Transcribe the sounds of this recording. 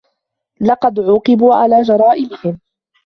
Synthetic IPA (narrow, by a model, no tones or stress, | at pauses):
lɑqɑd̪ʕuːqɨbuːʕa̰laːd͡ʒɑɾˤɑːʔɪmɪhɪm